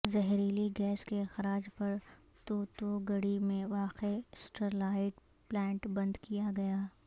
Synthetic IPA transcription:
zɐɦɾiːliɡɛːskexɐɾaːd͡ʒpɐɾ | t̪oːt̪oɡɐɽimẽʋaːqesʈəɾlaːɪʈ | plɛ̃ːɳʈbɐ̃nd̪kijaɡɐjaː

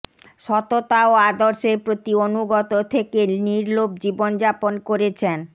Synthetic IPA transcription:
ʃɔt̪ot̪aoad̪oɾʃeɾpɾot̪ionuɡɔt̪ot̪ʰekeniɾlob̚d͡ʑibond͡ʑaponkoɾet͡ɕʰen

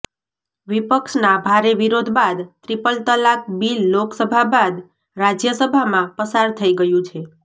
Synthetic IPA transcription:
ʋipəkʃnabʱaɾeʋiɾod̪ʱbad̪t̪ɾipəlt̪əlak̚bilːoksəbʱabad̪ | ɾad͡ʒjəsəbʱamãpəsaɾt̪ʰəiɡəjũt͡ʃʰe

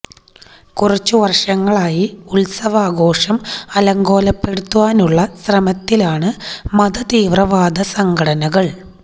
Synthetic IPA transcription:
kurɐt͡ɕːuʋɐrʂɐŋːɐɭaːjiulsɐʋɐaːɡo̞ːʂɐmɐlɐŋɡo̞ːlɐpːe̞ɽut̪ːuʋaːnuɭːɐsrɐmɐt̪ːilaːɳɨmɐd̪ɐt̪iːʋrɐʋaːd̪ɐsɐŋɡʱɐɽɐnɐɣɐɭ

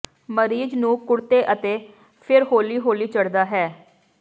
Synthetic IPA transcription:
məɾiːd͡ʒnũːkʊɽt̪eːʔət̪eː | pʰɪɾɦoːliːɦoːliːt͡ʃəɽd̪aːɦɛː

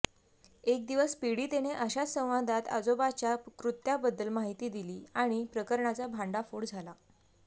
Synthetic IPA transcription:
ek̚d̪iʋəspiɽiːt̪eneʔəɕasə̃w̃ʋad̪ʱat̪ə̰d͡zobat͡ɕjakɾut̪ːjabəd̪ːəlmaɦit̪iːd̪iliːaɽ̃ipɾəkəɾɳat͡sabʱãɳɖafuːɽd͡zʱala

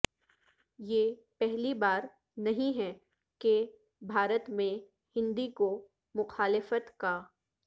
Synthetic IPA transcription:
jeːpɛɦlibaːɾ | nɐɦĩɦɛ | ke | bʱaːɾət̪mẽ | hɪ̃nd̪iko | mʊxaːlɪfət̪kaː

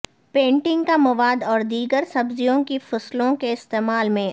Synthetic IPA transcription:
pẽːɳʈɪ̃ŋɡkamɐʋaːd̪ɔːɾd̪iːɡəɾsɐbzijõkifʊslõkeɪst̪eːmaːlmẽ

